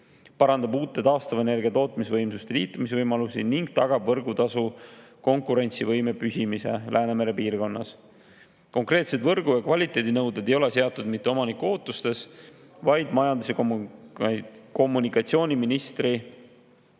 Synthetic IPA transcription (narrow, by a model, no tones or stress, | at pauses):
pɑɾɑnd̪̥ɑbuːt̪ːˑe̞t̪ɑːst̪ɑvɑene̞rɡ̥iɑt̪o̞ːt̪ˑmis̬evɤjmsust̪eliːt̪ːˑumisevɤjmɑlusiniŋɡ̥̚t̪ɑɡ̥ɑbvɤrɡut̪ɑsu | ko̞ŋkuɾe̞nʲt̪sivɤjme̞pysʲimise̞̰lʔæːne̞me̞ɾe̞piːrɡo̞nːɑs | ko̞ŋkre̞ːt̪se̞d̪vɤrɡ̥ujɑkvɑlʲit̪ːˑe̞d̪inɤwd̪ed̪e̞jo̞le̞se̞ɑt̪ːˑud̪̥mit̪ːe̞o̞mɑnikuo̞ːt̪ːˑust̪e̞s | vɑjd̪mɑjɑnd̪usekom | ko̞mːunikːˑɑt̪sio̞ːnʲiminist̪ri